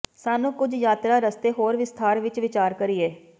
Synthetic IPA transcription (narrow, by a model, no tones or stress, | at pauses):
saːnũːkʊd͡ʒjaːt̪ɾaːɾəst̪eːɦoːɾʋɪst̪ʰaːɾʋɪt͡ʃʋɪt͡ʃaːɾkəɾiːɛː